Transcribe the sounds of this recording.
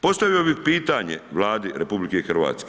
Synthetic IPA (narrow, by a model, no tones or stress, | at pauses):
post̪aʋiobixpiːt̪aɲḛʋlˠaːd̪iɾepublikeixr̩ʋa̰ːt̪ske